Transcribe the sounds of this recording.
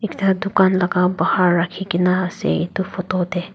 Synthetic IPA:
ektad̪ʊkanlaɡabahaɾːakʰikinaːsɛ̰it̪upʰotod̪ɛ

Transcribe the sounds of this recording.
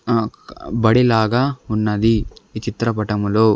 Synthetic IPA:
bɐɽilaːɡɐunːɐd̪it͡ʃit̪ɾɐpɐʈɐmuloː

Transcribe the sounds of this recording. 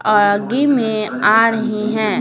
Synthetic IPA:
ɔːɾɡimẽaːɾəɦiɦɛ̃ː

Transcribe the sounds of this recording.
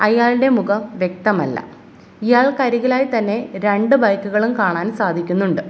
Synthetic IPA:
ɐjaːɭɽe̞muɣɐmʋje̞k̚t̪ɐmɐ̰lːɐ̰ | ijaːɭkɐɾiɣɐlaːjt̪ɐnːe̞ɾe̞ɳɖɨbɐjkːuɣɐɭumkaːɳaːnsaːd̪ʱikʲːunːuɳɖɨ

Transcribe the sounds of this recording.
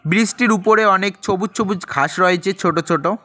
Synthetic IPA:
bɾisʈiɾupoɾeɔnek̚t͡ɕʰobutːt͡ɕʰobud͡ʑkʰaʃɾɔet͡ɕʰet͡ɕʰoʈot͡ɕʰoʈo

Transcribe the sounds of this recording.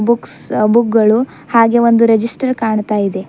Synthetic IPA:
buksbuk̚ɡɐɭu | haːɡe̞o̞nd̪uɾed͡ʒisʈɐɾkaːɳt̪aːjid̪e̞

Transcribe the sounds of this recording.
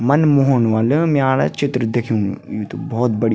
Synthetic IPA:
mɐnmoɦoɳʋaːləmɛ̃aːɾa̰t͡ʃɪt̪ɾəd̪ekʰjũjut̪obɔːt̪̚bɐɽ

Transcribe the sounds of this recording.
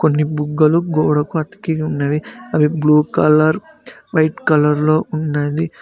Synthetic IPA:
konːibuɡːɐluɡoːɽɐkuɐt̪ɐ̥kiunːɐʋiɐʋibluːkɐlɐɾ | ʋɐjʈkɐlɐɾlo̞ːʔunːeːd̪i

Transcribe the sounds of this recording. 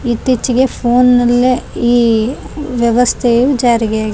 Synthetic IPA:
it̪ːit͡ʃːiɡe̞pʰoːnːɐlːeiː | ʋjɐʋɐst̪ʰejud͡ʒaːɾiɡejaːɡi

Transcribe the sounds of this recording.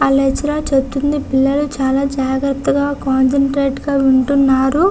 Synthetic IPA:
ɐlet͡ʃːiɾaːt͡ʃept̪und̪ipilːɐlut͡ʃaːlaːd͡ʒaːɡɾɐt̪ːɐɡaːkaːnseɳʈɾeːʈɡaːuɳʈunːaːɾu

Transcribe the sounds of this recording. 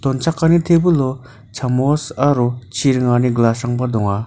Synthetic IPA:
t̪ont͡ɕʰaχkanint̪ʰepulo | t͡ɕʰamosaɾot͡ɕʰirəŋaniɡlaʂaŋparɦd̪oŋwa

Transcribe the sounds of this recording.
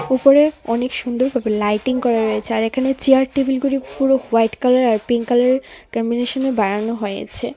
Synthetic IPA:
upoɾeɔnekʃund̪oɾbʱabelajʈiŋkɔɾaɾojet͡ɕʰeaɾekʰanet͡ɕiaɾʈebilɡuɾipuɾowajʈkalaɾaɾpiŋkalaeɾkɔmbineʃonebaɾanoɦojḛt͡ɕʰe

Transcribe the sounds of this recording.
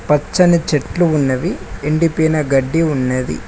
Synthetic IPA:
pɐt͡ʃːɐnit͡ʃeʈluunːɐʋieɳɖipiːnɐɡɐɖːiunːɐːd̪ḭ

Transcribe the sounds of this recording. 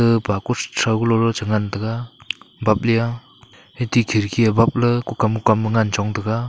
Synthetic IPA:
ɯpakustʰɾaɡlɔɾɔt͡ʃaŋantɯɡabap̚lija | hetikʰiɾkʰiabap̚lɯkukamukamɯŋant͡ʃawŋdɯɡa

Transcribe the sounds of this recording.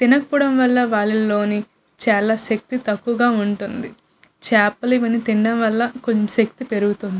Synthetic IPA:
t̪inɐpuɽɐmʋɐlːɐʋaːɭːɐlo̞ːni | t͡ʃaːlaːʃɐk̚t̪it̪ɐkːuʋɐɡaːuɳʈund̪i | t͡ʃaːpɐliʋɐnit̪iɳɖɐmʋɐlːɐkoɲʃɐk̚t̪ipe̞ɾuɡut̪und̪i

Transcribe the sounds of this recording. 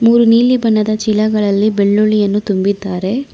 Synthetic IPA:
muːɾuniːlibɐnːɐd̪ɐt͡ʃilɐɡɐɭɐlːibeɭːuɭijɐnːut̪umbid̪ːaːɾe̞

